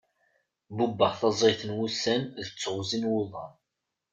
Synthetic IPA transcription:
bubːəʁθɑzˤɾiθənwusːænðət͡sːʁzinwʊðˤɑn

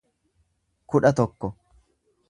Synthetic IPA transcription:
kʊᶑɐt̪ɔkːɔ

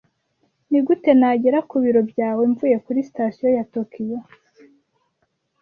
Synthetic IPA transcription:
niɡute̞naɟeɾakuβiɾo̞bjaːweɱvuje̞kuɾisi̥tasijojatokʰiwe

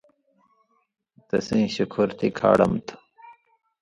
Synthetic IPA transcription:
t̪ɐsĩːɕukʰuɾt̪ʰikʰa̰ːɽɐmt̪ʰ

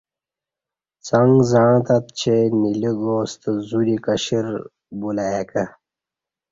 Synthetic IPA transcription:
t͡sɐŋɡzãːt̪ɐt̪̚t͡ɕʰeniliɡoːst̪əzuɾikɐɕiɾ | bulajekɐ

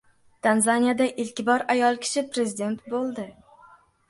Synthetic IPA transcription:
t̪ʰanzanijad̪aʔɪlkʲɪbɒɾajɒlˠkʲʰɪ̥ʃɪpɾe̞zɪd̪e̞nt̪bolˠd̪ɪ

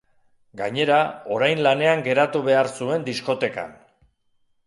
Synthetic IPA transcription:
ɡaɲe̞ɾao̞ɾajnlane̞aŋɡe̞ɾat̪uβe̞aɾsue̞nd̪isko̞t̪e̞ka̰n

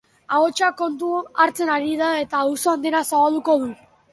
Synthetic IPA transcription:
aɣot͡ʃako̞nt̪̬uaɾt͡se̞naɾiðae̞t̪ausoand̪e̞nasaβald̪uko̞ðu

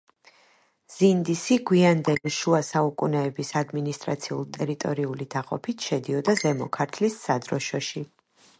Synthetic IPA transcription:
z̥ind̪isiɡwiand̪ɛliʃuasaukʼunɛɛbisad̪minist̪ʼɾa̰t̪sʰiṵlˠt̪ʼɛɾit̪ʼɔɾiulid̪̥aqʼɔ̰pʰit̪ʰʃɛd̪iɔd̪azɛmɔkʰaɾt̪ʰlisːad̪ɾɔʃɔʃi

